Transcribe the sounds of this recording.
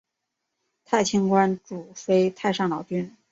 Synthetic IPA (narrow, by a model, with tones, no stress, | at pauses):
t̪ʰa˥˩ɪt͡ɕʰi˥ŋkwa˥nʈ͡ʂu˨˩fe˥ɪt̪ʰa˥˧ɪʂɑ˥˩ŋlɑ˨˩ʊt͡ɕy˥n